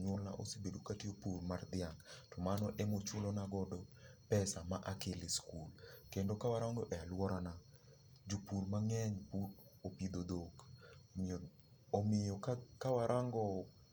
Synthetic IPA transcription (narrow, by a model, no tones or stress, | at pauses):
ɲɔlna̰ʔo̰sibedokatiopurmard̪ɪaŋtɔmanɔʔɛmot͡ʃʊlɔnaɡɔdɔpɛsamaʔakelɪskulkendokawaɾaŋɡɔʔɛalwɔɾana | d͡ʒopuɾmaŋɛɲputopid̪od̪ok | omɪjɔkkawaɾʔaŋɡɔ